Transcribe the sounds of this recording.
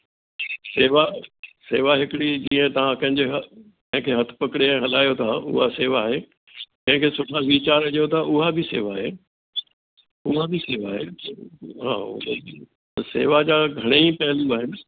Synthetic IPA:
seːʋaseːʋaɦɪkɪɽid͡ʑiːə̃t̪ɐʋ̤ãkɐ̃ɦɪ̃ɲd͡ʑeɦ | kɐ̃ɦɪ̃kʰeːɦɐt̪ʰʊ̥̆pɐkɪɽẽɦɐlaːjot̪ʰaʊ̰ɦaseːʋaːɦe | kɐ̃ɦɪ̃kʰeːsʊʈʰaʋiːt͡ɕaːɾd͡ʑijot̪ʰaʔʊɦabʱɪseːʋaːɦeː | ʊɦabɪseːʋaːɦḛ | ɦã̰ː | ɐsḛːʋad͡ʑaːɡʱɐɽ̃epɐɦɪ̃ljũaːɦɪnɪ̆

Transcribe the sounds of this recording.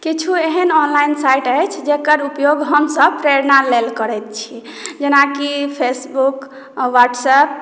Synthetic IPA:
kit͡ʃʰueɦənɔnlainsajʈət͡ʃʰd͡ʒekəɾupjoɡɦəmsəb̚pɾeɾnalelkəɾɛt̪̚t͡ʃʰi | d͡ʒenakipʰesbuk | ʋaʈsəp̚

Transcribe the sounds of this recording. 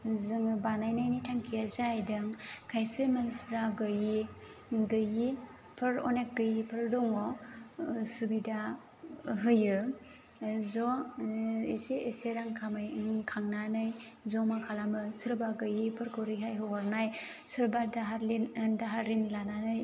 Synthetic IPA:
zɯŋbanajnajnijtʰaŋkʰijazajdɯŋkʰajsɯmansɾaɡɯji | ɡɯji | pʰɯɾɔ̰nek̚ɡɯjipʰɯɾdɔŋɔ | subida | ɦɯjɯ | zɔ | eseeseɾaŋkʰamajkʰaŋnanɯjzɔmakʰalamɯsɯɾbaɡɯjipʰɯɾkʰoɾiɦajɦɔɦɔɾnajsɯɾbadaɦaɾlindaɦaɾinlananɯj

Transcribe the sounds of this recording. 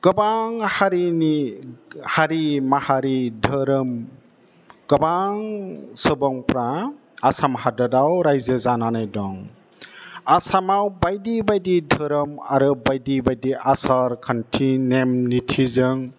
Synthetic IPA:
ɡ̥ɔbaŋhaɾini | haɾimahaɾidʱəɾɯm | ɡ̥ɔbaŋsɯbɔŋpʰɾa | asamhadadawɾajzɯzananajdɔŋ | asamawbajdibajdidʱɯɾɯmaɾɯbajdibajdiʔasaɾkʰantʰinemnitʰizɯŋ

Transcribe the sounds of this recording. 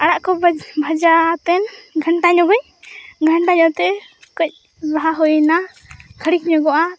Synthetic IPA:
aɽaʔkɔbʱad͡ʒat̪ɛnɡʱəɳʈaɲɔɡɔɲ | ɡʱəɳʈaɲɔt̪ɛkɔc̚ˀ | baɦaɦɔjna | kʰəɽik̚ɲɔɡɔʔa

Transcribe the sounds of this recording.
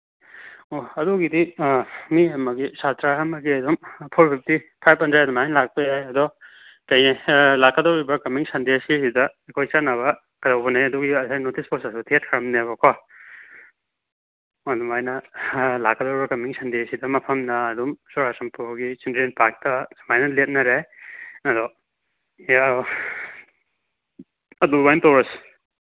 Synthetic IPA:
oɐduɡidimiɐmɐɡisatɾaɦɐmɐɡiɐdumpʰoɾpʰip̚ʰtipʰajp̚hɐndɾedumajnlak̚pɐjajɐdɔ | tɐjelakːɐdowɾibɐkɐmiŋsɐndesisidɐekʰojsanɐβɐ | kɐdɐwbɐnajɐduɡiɐsajnotisposesutʰiet̚kʰɐɾɐmnebɐkʰwa | ɐdumajnɐlakadɔwɾibɐkɐmiŋsɐnd̪esidɐmɐpʰɐmnaːdumsɔɾasɐmpuɡisindɾenpak̚tɐsamajnɐlet̚nɐɾeɐdɔ | a | ɐdubajntɔwɾas

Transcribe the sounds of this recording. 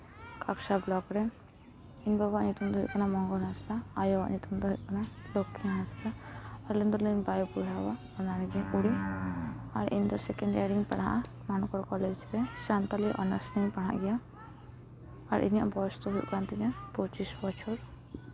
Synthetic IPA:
kaksablɔɡɾɛ | inbabaʔnit̪umd̪ɔɦḭʔkɔnamɔŋɡɔɽɦast̪aːjɔwa̰ʔnit̪umd̪ɔɦiʔkɔnalokʰːiɦast̪aːɾlind̪ɔɾlunbajɔpuɽ̤awa | ɔnaɽɛɡiakuɽi | a̰ɾḭnd̪ɔɾsɛkɛɳɖaɽĩŋpɛ̰ɽaʔa | manɔkɔɾkɔlɛd͡ʒɾɛsant̪aliʔɔ̰nasnipaɽ̤̃a̰ʔɡɛja | aɾʔḭnja̰ʔbɔst̪ɔɦujʔkɾant̪iɲapɔt͡ʃisbɔt͡ʃʰɔɾ

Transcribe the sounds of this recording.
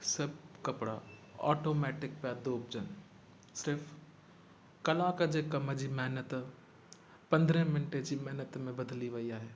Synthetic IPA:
sɐb̚ʱkɐpɽa̰ɔ̰ːʈoːmɛːʈɪk̚pjad̪oːp̚d͡ʑən | sɪɾfʰ | kɐlaːkd͡ʑekɐməd͡ʑimɛɦnət̪ | pɐ̃nd̪ɾə̃mɪnʈed͡ʑimɛɦnət̪mẽbɐd̪liʋɐiaːɦeː

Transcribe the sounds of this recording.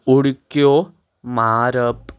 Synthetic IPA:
oɽukːoː | maːɾɐpː

